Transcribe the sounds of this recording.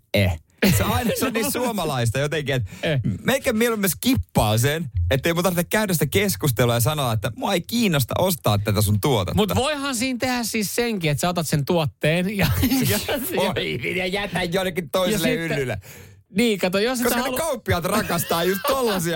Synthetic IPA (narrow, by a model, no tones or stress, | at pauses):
e | seɑinɑsonisuomɑlɑist̪ɑjot̪eŋkiet̪mekːæmmielumːeskipːɑːsenet̪ːeimut̪ɑrtekkæynæsit̪ækeskust̪eluɑjɑsɑnoːɑet̪ːæmuɑeikiːnːost̪ɑ̰ʔost̪ɑ̰ːt̪t̪ːæt̪æsunt̪uot̪ɑ̰mut̪ɑ̰ʋoihɑnsiːnt̪ehæssiːsseŋkiet̪sæot̪ɑt̪sent̪uot̪ːeːnjɑjiʋinjɑjæt̪æjjoilːekːit̪t̪oiselːeylːylːḛ | niːkɑt̪ojoskoskɑnelkɑupːiɑt̪rɑkɑst̪ɑːjust̪t̪olːɑsiɑ